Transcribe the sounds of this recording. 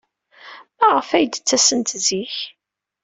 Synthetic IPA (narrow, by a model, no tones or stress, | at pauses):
mæʁəfæjd̪ət͡sːæsənt̪ziç